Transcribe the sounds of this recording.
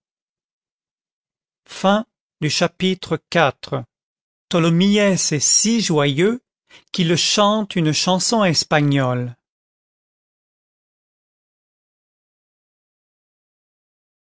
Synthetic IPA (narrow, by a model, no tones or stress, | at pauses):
fɛ̃ | d̪yʃapit̪χəkat̪χə | t̪ɔlɔmiɛsɛsiʒwajø | kiləʃɑ̃t̪ynʃɑ̃sɔ̃ɛspaɲɔl